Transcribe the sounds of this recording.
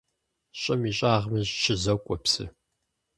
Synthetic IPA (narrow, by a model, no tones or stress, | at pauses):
ɕʼɐmiːɕʼaːʁmɨʑʃʰɪzɐkʷʼɔpsɨ̰